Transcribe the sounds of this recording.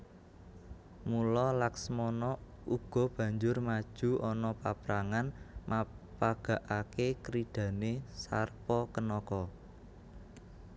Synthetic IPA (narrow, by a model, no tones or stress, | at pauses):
mulɔlaksmɔnɔ | uɡ̥ɔ̤b̥ä̤ɲd͡ʒʊrmad̥ʒ̥ṳʔɔnɔpapɾaŋanmapaɡ̥a̤ʔakekɾid̥ä̤nesarpɔkənɔkɔ